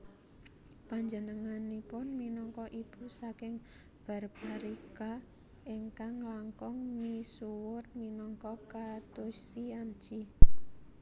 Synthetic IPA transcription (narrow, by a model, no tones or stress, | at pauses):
paɲd͡ʒənəŋanipʊnminɔŋkɔʔib̥usakɪŋ | b̥a̤rpaɾika | ɪŋkaŋlaŋkɔŋmisuwʊrminɔŋkɔkat̪ʊsiamt͡ʃi